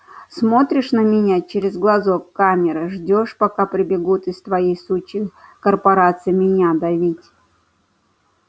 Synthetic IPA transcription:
smo̞t̪ɾʲɪʂnəmʲɪnʲat͡ɕeɾʲɪzɡlˠɐzokːamʲɪɾɨʐdʲoʂpɐkapɾʲɪbʲɪɡut̪ɨst̪vɐjejsut͡ɕːɪkərpɐɾat̪sɨjmʲɪnʲad̪ɐvʲitʲ

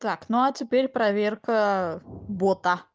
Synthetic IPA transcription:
t̪aknuɐtʲɪpʲeɾʲpɾɐvʲerkə | bot̪ə

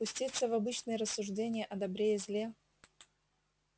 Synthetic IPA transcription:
pʊsʲtʲit̪səvɐbɨt͡ɕnɨjəɾəsːʊʐdʲenʲɪjəʔɐd̪ɐbɾʲejɪzʲlʲe

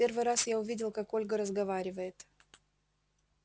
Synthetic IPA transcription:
e̞rvɨjɾasjaʊvʲidʲɪlˠkako̞lʲɡəɾəzɡɐvaɾʲɪvəjɪt̪

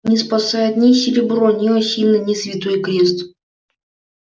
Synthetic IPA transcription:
nʲɪspɐsajɪt̪nʲɪsʲɪɾʲɪbɾonʲiɔsʲilʲnənʲɪsvʲɪt̪ojkɾʲest̪

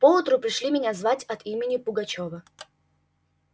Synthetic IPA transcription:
poʊt̪ɾʊpɾʲɪʂlʲimʲɪnʲazvatʲɐt̪imʲɪnʲɪpʊɡɐt͡ɕovə

